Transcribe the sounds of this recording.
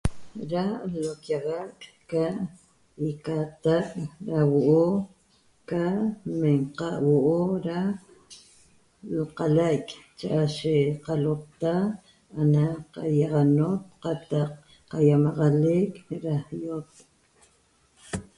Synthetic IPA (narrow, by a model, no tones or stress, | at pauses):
ɾalokjaɣakʼ | kaʔ | ikat̪aʔɾawoʔo | kaʔmeɴqɑʔwoʔoɾa | lqalajkʼt͡ʃaʔaʃeqalot̪a | anaqɑjaʁɑnot̪̚qɑt̪ɑq | qajamɑʁɑlekɾahjot̪̚